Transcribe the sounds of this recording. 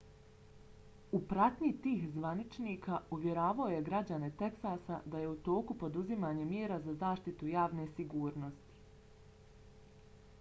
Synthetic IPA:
upɾat̪ɲit̪iːxzʋanit͡ʃniːkʰauʋje̞ɾaːʋao̞je̞ɡɾad͡ʑane̞t̪e̞ksasa̰d̪aje̞ut̪o̞ːkupo̞d̪uzimaːɲe̞mjeːɾazazaːʃt̪it̪ujaːʋne̞siɡuːɾno̞st̪i̥

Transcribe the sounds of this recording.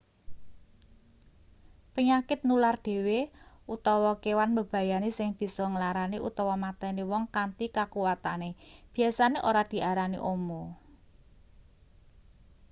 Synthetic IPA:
pəɲakɪt̪̚nularɖ̥e̤we | ut̪ɔwɔkewanbəb̥ä̤janisɪŋb̥i̤sɔŋəlaɾaniʔṵt̪ɔwɔmat̪ɛniwɔŋkant̪ikakuwat̪aneb̥i̤asaneʔoɾad̪̥i̤ʔaɾanḭʔomɔ

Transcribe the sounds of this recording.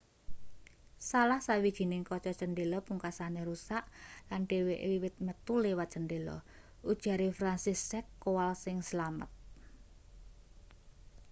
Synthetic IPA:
salahsawid̥ʒ̥i̤nɪŋkɔt͡ʃɔt͡ʃənɖelɔpuŋkasaneɾusaʔlanɖ̥e̤weʔwiwɪt̪̚mət̪ulewat̪̚t͡ʃənɖelɔ̰ | ud̥ʒ̥a̤ɾefɾansisɛkːowalsɪŋsəlamə̰t̪̚

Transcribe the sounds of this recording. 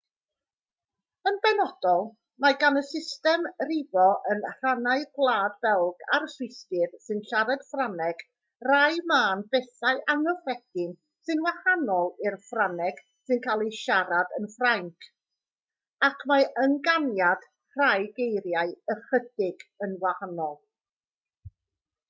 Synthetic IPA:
ənbɛnɔd̥ɔlˠ | maɡanəsɪstɛmrɪbɔʔənr̥anaɨɡwlˠaːdbɛlˠɡaɾsʊstɪðsɨnɬaɾɛd̥franɛɡ̥ | r̥ajmaːnbɛθaɨʔaŋɔfrɛɡ̥ɪn | sɨnwahanɔlˠɪrfranɛɡ̥ | sɨnkʰaːlˠiʃaɾadənfraŋkʰ | akʰmaənɡanjad̥ | r̥ajɡejɾjaɨəχədɪɡ̥ənwahanɔlˠ

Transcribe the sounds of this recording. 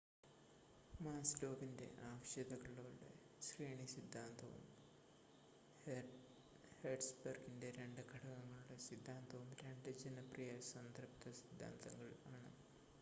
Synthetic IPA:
maːslo̞ːbinde̞̰ʔaːʋɐɕjɐd̪ɐɣɐɭoːɽḛ | ɕriːɳisid̪ʱːaːnt̪ɐʋṵm | heːɖsbɐrɡinde̞ɾe̞ɳɖɨkʰɐɽɐɣɐŋːɐɭuɽesid̪ʱːaːnt̪ɐʋumɾe̞ɳɖɨd͡ʑɐnɐprijɐsɐnd̪ʱɐrpt̪ɐsid̪ʱːa̰ːnt̪ɐŋːɐɭaːɳɨ̰

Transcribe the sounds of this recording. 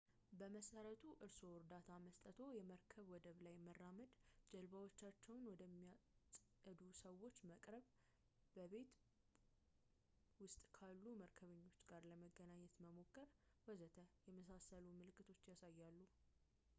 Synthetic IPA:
bəməsəɾət̪ʰuʔɨɾso̞wɾd̪at̪ʰaməst̪ʼət̪ʰo̞jɛməɾkʰəβwɔd̪əβlajmərːaməd̪d͡ʒɛlβawot͡ʃːat͡ʃːɛwnwɔd̪əmːiasʼ | əd̪usəwo̞t͡ʃːməkʼɾəβ | bəβe̞t̪ | wʊst̪ʼkʰalːuməɾkʰəβəɲːo̞t͡ʃːɡaɾləməɡːənaɲːɛt̪məmo̞kʰːəɾ | wɔzət̪ʰəjɛməsasəlumɨlɨkːɨt̪ʰo̞t͡ʃːjasajːalːu

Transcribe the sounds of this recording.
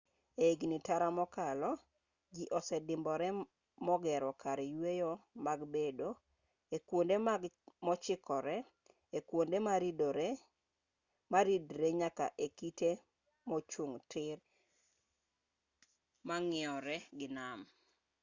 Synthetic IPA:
eɡnitaɾamɔkalɔ | d͡ʒiʔɔsɛdɪmbɔɾɛ | mɔɡɛɾɔkaɾɛjwejomaɡbedo | ekwondemɔt͡ʃɪkɔɾɛ | ekwondemaɾido | maɾidɾeɲaka̰ʔekite | mɔt͡ʃuŋtɪr | maŋɪɔɾɛɡɪnam

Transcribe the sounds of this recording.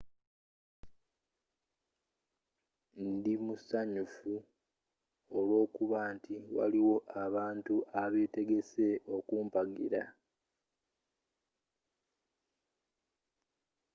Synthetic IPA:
ndimusaɲufu | olwo̞ːkuβaːntiwa̰liwo̞ʔaβaːntuʔaβe̞ːte̞ɡe̞se̞ʔo̞kuːmpaɡḭɾa

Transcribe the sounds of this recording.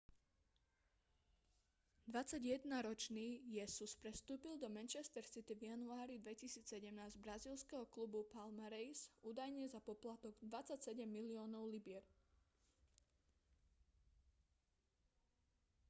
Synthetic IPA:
d̪ʋat͡saɟjɛd̪naɾɔt͡ʃniːjɛsuspɾɛst̪uːpild̪ɔmɛnt͡ʃɛst̪ɛɾsit̪ivjanuaːɾid̪ʋɛcisiːt͡ssɛɟɛmnaːzɟbɾaziːlskɛɦɔklubupalmaɾɛjsuːd̪ajɲɛzapɔplat̪ɔɡd̪ʋat͡sacsɛɟɛmːiliɔːnɔʊlibɪɛɾ

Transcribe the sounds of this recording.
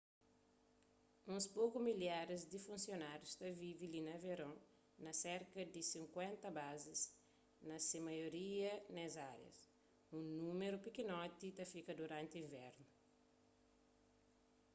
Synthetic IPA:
ũspokumiljaɾizd̪ifũnsjonaɾjust̪ɐvivilinɐveɾõŋ | nɐseɾkɐd̪isĩŋkwɛ̃nt̪ɐbazis | nɐsemɐjoɾiɐnɛzaɾjɐ̰s | ũnumeɾupikinɔt̪it̪ɐfikɐd̪uɾãnt̪iĩɱvɛɾnu

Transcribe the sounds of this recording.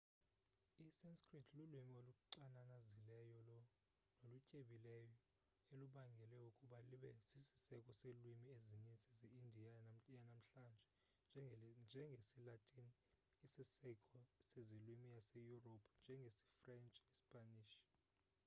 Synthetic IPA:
isɛnskʰʼritʰlulwumioluuǀananazilɛjɔlɔ | nolucʼeɓilɛjɔ | eluɓaŋɡʱɛlɛukʼuɓaliɓɛsisi̥sɛkʼɔselwimiezinit͡sʼizɛindʱianam̩janam̩ɬand͡ʒʱɛ | nd͡ʒʱɛŋɡʱesilatʼini | isisɛkʼɔsezilwimijasejuropʰnd͡ʒʱɛŋɡʱesi̥frɛnt͡ʃʼispʼaniːʃ

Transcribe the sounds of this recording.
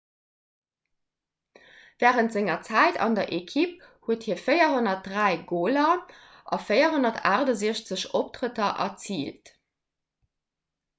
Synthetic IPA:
væːʁəntz̥ɪŋɐt͡sæɪtʰɑ̰ndɐʔekʰip̚huəthiːɐfəjɐɦonɐt̚dʁæɪɡoːlɐ | ʔɑ̰fəɪɐɦonɐtʰa̰ːʁdɑziəɕt͡səɕop̚tʁətɐʔɐ̰t͡siːlt

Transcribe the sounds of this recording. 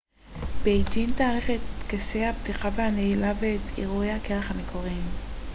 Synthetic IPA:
bejdint̪aːʁiχet̪kaʃejhapt̪iχavehaneilaveːt̪ʰiʁuejhakeʁeχhamekʰo̞ʁim

